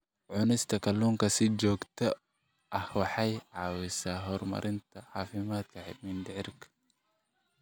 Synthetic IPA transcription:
ʕʊnɪst̪ʰɐkʰɐluːŋkɐsɪd͡ʒɔːɡt̪ʰɔ | ʔɐhwɑħɑjʕɑːwɪsaːɦɔrmɐ̰ɾʔɪnt̪ʰɐʕɑːfɪmaːd̪̚kʰɐħɪ̰d̪mɪnd̪ɪʕɪrkʰɐ̥

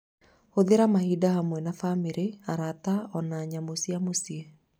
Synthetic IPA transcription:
hoðeɾamahidahamwɛnafamiɾeaɾataɔnaːɲamosiamosiɛ

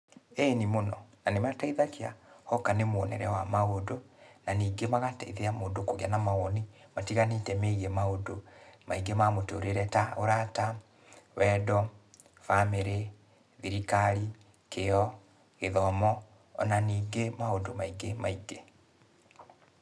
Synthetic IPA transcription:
enimonɔnanemataiðakea̰hɔkanemwɔnɛɾɛwamaodonaniːɡemaɣataiðeamoːndokoɣeanamaɣɔnimatiɣanetɛmeɣemaodomaiɡemamotoɾeɾɛtaoɾata | wɛdɔ | fameɾe | ðiɾikaɾi | keɔ | ɣeðɔmɔ | ɔ̰naniːɡemaodomaiɡemaiɡe

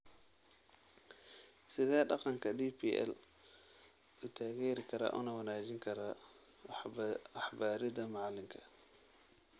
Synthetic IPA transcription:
sɪðɛːɖɑqɑŋkʰɐdiːpʰiʔɛ̰l | ʊt̪ʰaːɣɛːɾɪkʰɐɾɐ̰ʔʊ̰ːnɐwɐnaːt͡ʃɪŋkʰɐɾɐ | ɑħbaːɾɪðɐmɑʕlɪŋkʰɐ̥

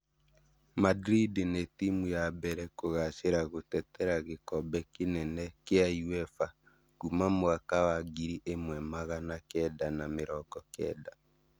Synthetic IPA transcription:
madɾidenetimujabɛɾɛkoɣaʃeɾaɣotɛtɛɾaɣekɔbɛkenɛnɛkeajuɛfa | ɡ̥umamoakawaɡiɾiʔemwɛmaɣanakɛdanameɾɔkɔkɛ̰da

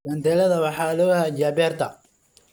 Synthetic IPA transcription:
ɐnt̪ʰɛːlɐðɐwɑħɑːlɔhad͡ʒaːbɛːrt̪ʰɐ

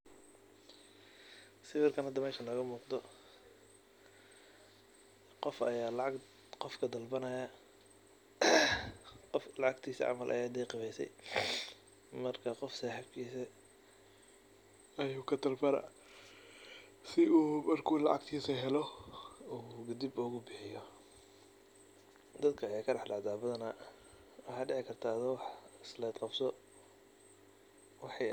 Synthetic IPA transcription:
sɪfɪrkʰɐnhɐd̪ɐmɛːʃɐnlɐɣɐmuːqd̪ɔ | qɔfɐjaːlɑʕɑɡ | qɔfkʰɐd̪ɐlbɐnɐjɐ | qɔflɑʕɑɡt̪ʰiːsɐ̰ʕɑ̰mɐlʔɐ̰jɛːd̪ɛjqɪβɛjsɛ̰j | mɐrkʰɐqɔfsaːħɪbkʰiːsɛ | ɐjuːkʰɐt̪ʰɐlbɐɾɐ̰ | sɪuːmɐrkʰuːlɑ̰ʕɑ̰ɡt̪ʰiːsɐɦɛlɔuːɡɐd̪iɪbʊɣʊbɪħɪjɔ | d̪ɐd̪kʰɐjɛjkʰɐrɑħɖɑʕd̪aːbɐðɐnɐ | wɑħɑːɖɪʕɪkʰɐrt̪ʰaːd̪ɐwɑħɪslɛːd̪qɑbsɔ | wɑħɑj

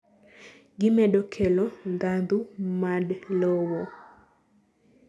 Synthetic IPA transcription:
ɡɪmɛɗɔkʰɛlɔŋɡand̪umadlɔwo

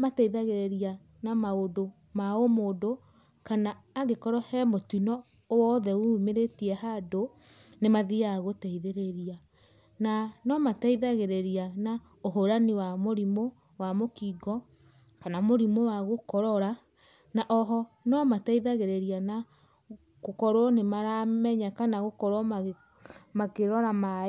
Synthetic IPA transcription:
mataiðaɣeɾeɾia | namaodo | maomodo | kanaːɣekɔɾɔhɛmotunɔ | wɔðɛumeɾetiɛhado | nemaðiaɣotɛiðeɾeɾia | nanɔmataiðaɣeɾeɾiana | oɦoɾaniwamoɾimo | wamokiɡɔ | kanamoɾimowaɣokɔɾɔɾa | naʔɔɦɔ | nɔmataiðaɣeɾeɾiana | ɣokɔɾwɔnemaɾamɛɲakanaɣokɔɾwɔ | makeɾɔɾama

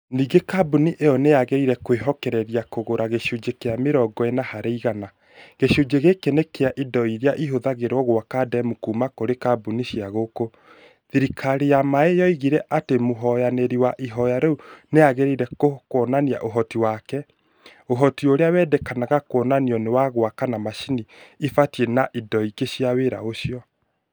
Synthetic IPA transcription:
niːɡekabuniʔeɔneaɣeɾiɾɛkweɦɔkɛɾɛɾijakoɣoɾaɣeʃud͡ʒekeameɾɔɡɔenahaɾeiɣana | ɣeʃud͡ʒeɣekenekeaʔidɔiɾeaʔiɦoðaɣeɾɔɣwakadɛmukumakoɾekabuniʃiaɣoko | ðiɾikʰaɾijamaejɔiɣiɾɛʔatemoɦɔjaneɾiwaʔiɦɔjaɾɛuneaɣeɾeiɾɛkokɔnania̰ʔoɦɔtiwakɛ | oɦɔtioɾeawɛːdɛkanaɣakoɔnaniɔnewaɣwakanamaʃiniifatienaʔidɔikeɕiaweɾa̰oɕiɔ

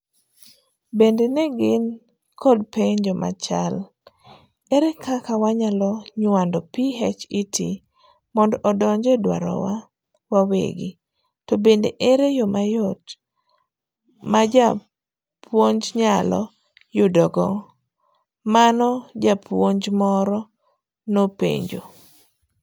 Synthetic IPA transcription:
bendenɛɡɪn | kʰɔdpeɲd͡ʒɔmʔa̰t͡ʃa̰l | ɛɾekʰakawaɲalɔɲwandɔpiɦɛt͡ʃɪtḭ | mɔndɔʔɔdɔɲd͡ʒɛdwa̰ɾɔ̰wa | wawḛɡɪ | tɔbendeʔeɾejomajɔt | mad͡ʒa | pwoɲd͡ʒɲalɔ̰ | jʊdɔɡɔ | manɔd͡ʒapʰwoɲd͡ʒmɔɾɔ | nopḛɲd͡ʒo

